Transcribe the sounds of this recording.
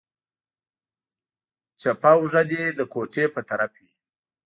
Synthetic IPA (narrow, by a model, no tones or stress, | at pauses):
t͡ʃapawʐad̪ed̪əkoʈepət̪aɾafwi